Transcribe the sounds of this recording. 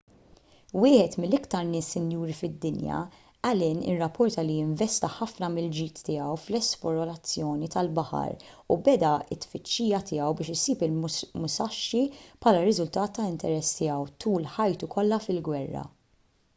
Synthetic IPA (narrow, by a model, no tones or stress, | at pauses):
wɪːħɛt̪mɪlːɪkt̪ɐɾnɪːsːɪnjuːɾifɪd̪ːɪnjɐ̰ | ɐlɪːnɪ̰rːɐpːɔɾt̪ɐlijɪɱvɛst̪ɐħɐfnɐmɪld͡ʒiːt̪ːɪːjɐwflɛspɔɾɔlɐt͡sːjɔːnit̪ɐlbɐħɐ̰ɾubɛd̪ɐɪt̪ːfɪt͡ʃːiːjɐt̪ʰɪːɐwbɪːʃɪsiːpɪlmmʊsɐʃːipʰħɐːlɐɾɪzʊlt̪ɐːt̪ːɐɪnt̪ɛɾɛst̪ɪːɐwt̪uːlħɐjt̪ukʰɔlːɐfɪlɡwɛrːɐ̰